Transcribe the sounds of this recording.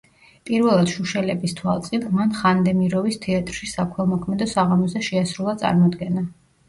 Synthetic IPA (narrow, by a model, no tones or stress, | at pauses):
pʼiɾvɛlˠad̪̥ʃuʃɛlɛbist̪ʰwalˠt̪sʼid̪manχand̪ɛmiɾɔvist̪ʰɛat̪ʼɾʃisakʰwɛlˠmɔkʰmɛd̪ɔsaʁamɔzɛʃɛasɾulˠat̪sʼa̰ɾmɔd̪ɡɛna